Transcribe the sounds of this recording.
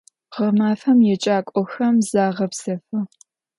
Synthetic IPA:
ʁɐmaːfɐmjɛt͡ʃʼaːkʷʼɔxɐmzaːʁɐpsɐfɐ

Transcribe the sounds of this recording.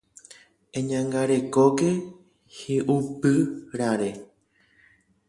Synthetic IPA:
ẽɲãŋɡaɾe̞koke̞ | heʔupɨɾãɾe

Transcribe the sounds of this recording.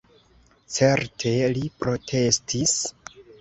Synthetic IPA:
t͡se̞ɾtʰe̞lipɾo̞tʰe̞stʰis

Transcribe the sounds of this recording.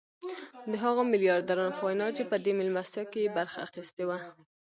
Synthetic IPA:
d̪əɦaɣomɪljɑɾd̪aɾɑnopəwajnɑt͡ʃepəd̪emɪlmast̪ɑkeebaɾxa̰ːxist̪ewa

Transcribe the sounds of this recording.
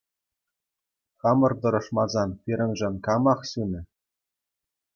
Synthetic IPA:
xɑmɤ̆rt̪ɤ̆ɾɤ̆ʂmɑzɑnpʲiɾʲɘ̆nʐɘ̆nʲkɑmɑχɕunʲɘ̆

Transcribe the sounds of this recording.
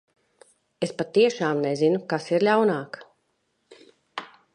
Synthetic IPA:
espat̪ːiɛʃaːmnɛzinukasiɾlʲawnaːk

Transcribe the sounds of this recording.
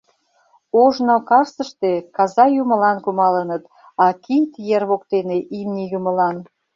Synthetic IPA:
oʒnokɑrsəʃt̪ekɑzɑjumə̆lɑnkumɑlənət̪ | ɑkit̪jerβok̚t̪eneʔimnʲijuməlɑn

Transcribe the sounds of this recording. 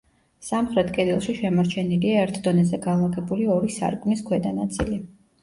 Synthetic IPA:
samχɾɛt̪ʰkʼɛd̪ilˠʃiʃɛmaɾt͡ʃʰɛniliaɛɾt̪ʰd̪ɔnɛzɛɡalˠaɡɛbuliɔɾisa̰ɾkʼmniskʰwɛd̪anat̪sʼḭli

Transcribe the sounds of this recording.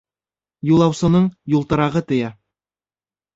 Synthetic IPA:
julˠɑwsɤ̆nɤɴjulˠt̪ɤ̆ɾɑʁɤt̪ɵ̆jæ

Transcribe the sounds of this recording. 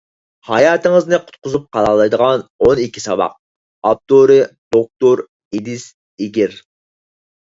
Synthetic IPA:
hɑjɑːt̪ɨŋɨznɨqʰʊ̥t̪̚qʊzup̚qʰɑlˠɑlˠɑjd̪əʁɑnonikʲʰi̥sɑbɑ̰q̚ | ɑp̚t̪oɾɨd̪̥ok̚t̪oɾ | ed̪ɪs | eɡʲiɾ

